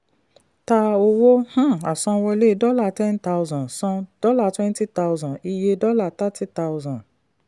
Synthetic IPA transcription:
ta˧o˧wo˦h̩˦a˨sɔ̃˧wɔ˧i˧le˦i˨˧˦dɔ˦la˦˨tɛ̃˦nta˧wzã˨sɔ̃˧d̥ɔ˦la˦˨twɛ̃˦n˦ti˦ta˧wzɔ̃˨i˧je˧dɔ˦la˦˨ta˦ti˦ta˧˦zã˨

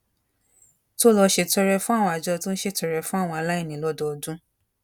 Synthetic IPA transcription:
to˦lɔ˧ʃe˧tɛ˧ɾɛ˧fũ˦a˦˨wɔ̃˧a˨d͡ʒɔ˧tũ˦n̩˦ʃe˦˨tɛ˧ɾɛ˧fũ˦a˦˨w̃ɔ̃˧a˧la˦i˦˨nĩ˨lɔ˦dɔ˧˨dũ˦

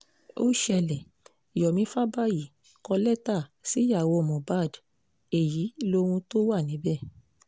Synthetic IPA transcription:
o̰˦ʃɛ˧lɛ˨ | jɔ˨mĩ˧˦fa˦ba˦˨ji˨ | kɔ˧lɛ˦ta˦˨si˨˦ja˦˨wɔ˧˦˨mɔ̃˨ba˦˨d | e˨ji˨˦lo˧ɾ̃ũ˧to˦wa˦˨nĩ˨˦bɛ˦˨

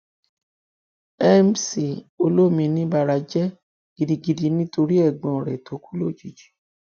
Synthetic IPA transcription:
ɛ˦msi˨o˧lo˦˨mĩ˧nĩ˦ba˧ɾa˧d͡ʒɛ˦ | ɡ̥i˧di˧ɡi˧di˧nĩ˦to˧ɾi˦ɛ˦˨ɡ͡bɔ̃˨ɾɛ˨to˨˦ku̥˦lo˦˨d͡ʒi˨d͡ʒi̥˨

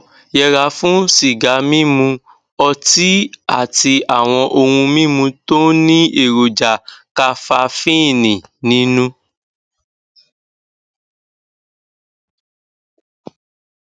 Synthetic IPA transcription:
jɛ˧ɾa˨˦fũ˦si˦˨ɡa˨˦mĩ˦mũ˧ | ɔ˧ti˦a˦˨ti˧a˦˨w̃ɔ̃˧ʔo˧hũ˧mĩ˦mũ˧to˦nĩ˦e˦˨ɾo˨d͡ʒa˨ka˧fa˧fĩ˦˨nĩ˨nĩ˨˦nũ˦

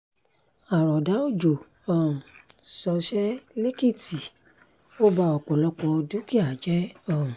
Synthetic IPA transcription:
a˨ɾɔ˨da˨˦o˦˨d͡ʒo˨ | ɔ˦˨ũ˨sɔ˧˦ʃɛ˦le˦ki˦˨ti˨ | o˦ba˧ɔ˨k͡pɔ˨lɔ˧˦k͡pɔ˧du˦ki˦˨a˨d͡ʒɛ˦ɔ˦˨ũ˨

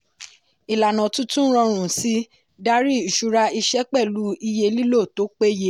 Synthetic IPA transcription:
i˨la˨nã˨tũ˦tũ˦ɾ̃ɔ̃˧ɾ̃ũ˨si˨˦ | da˦ɾi˦i˨ʃu˨˧ɾa˧i˧ʃɛ˦k͡pɛ˦˨lu˨˦i˧je˧li˦lo˦˨to˨˦k͡pe˦je˦

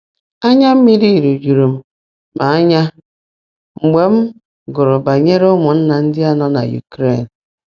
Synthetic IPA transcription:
a˦ɲa˦m̩˦mi˦di˦˨ɾu˨d͡ʒu˨ɾo˨m̩˦ | ma˨a˦ɲa˦ | ŋ͡m̩˨ɡ͡be˨˦m̩˦ | ɡʊ˨ɾʊ˨ba˨ɲe˦ɾŋʷʊ˨n̩˦na˨n̩˦dɪ˦a˦nɔ˦na̰˨jṵ˨kɾe˦˨n̩˨

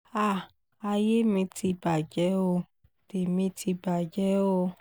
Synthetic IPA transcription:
a˦˨ | a˧je˦mĩ˧ti˧ba˨d͡ʒɛ˦wo˧ | te˨mĩ˧ti˧ba˨d͡ʒɛ˦wo˦

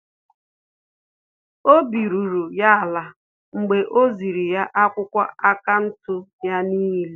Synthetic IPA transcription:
o˦bi˨ɾu˨ɾu˨ja˦a˨la˨ | ŋ͡m̩˨ɡ͡be˨ʔo˦zi˨ɾi˨ja˦ʔa˦kʷʊ˦kʷa˦a˦ka˦n̩˦tʊ˦ja˦niː˦le˦

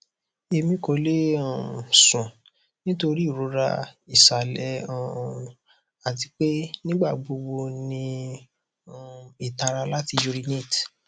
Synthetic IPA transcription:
e˧mĩ˧ko˨le˦ɔ˦˨sũ˨ | nĩ˦to˧ɾi˦˨ɾo˨˦ɾa̰˧i˨ʃa˨lɛ˨˦˨ | a˨t̬i˧k͡pe˦nĩ˦ɡ͡ba˦˨ɡ͡bo˧ɡ͡bo˧nĩ˧˨ | i˨ta˧ɾa˧la˦ti˧d͡ʒo˧ɾi˧ne˦˨t

